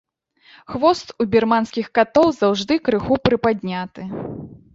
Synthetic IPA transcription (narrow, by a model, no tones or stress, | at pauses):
xvɔst̪ubʲirmanskʲixkat̪ɔwzawʐd̪ɨkɾɨxupɾɨpad̪ʲnʲat̪ɨ